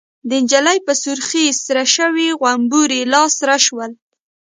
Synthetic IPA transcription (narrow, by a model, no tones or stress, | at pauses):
d̪əɪnd͡ʒalajpəsʊɾxisɾaʃəwiɣwambuɾelɑsɾaʃwəl